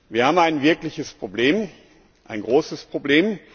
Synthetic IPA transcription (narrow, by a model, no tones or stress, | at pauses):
viːɐhaːbm̩aɪnvɪɐklɪçəspʁ̥obleːm | ʔaɪnɡʁoːsəspʁ̥obleːm